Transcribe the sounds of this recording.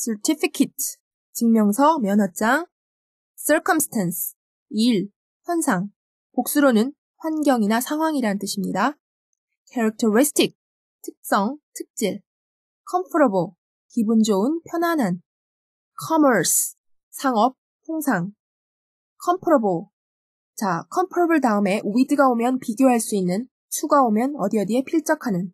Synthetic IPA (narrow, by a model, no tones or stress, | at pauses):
sʰetʰipʰikʰetʰ | t͡ɕiŋmjʌŋsʰʌmjʌnɦʌt͡ɕ͈aŋ | s͈ʰɯɭkʰʌmsʰtʰansʰ | iɭ | ɸjʌnsʰaŋ | pok̚s͈uɾonɯn | ɸwanɡjʌŋinasʰaŋɦwaŋiɾanɯnt͈ɯɕʰimɲida | kʰeɾak̚tʰɯɾisʰtʰik̚ | tʰɯ̥k̚s͈ʌŋtʰɯ̥k̚t͡ɕ͈iɭ | kʰʌmpʰɯɾobo | kibund͡ʑoɯnpʰjʌnwanɦan | kʰʌmʌɾs | sʰaŋʌp̚ | hʰoŋsʰaŋ | kʰʌmpʰɯɾobo | t͡ɕakʰʌmpʰɯɾobɯɭtaɯme̞ʔuidɯɡaomjʌnpiɡjoɦaɭs͈uinːɯn | t͡ɕʰuɡaomjʌnʌdiʌdiɦe̞pʰiɭt͡ɕ͈ʌkʰanɯn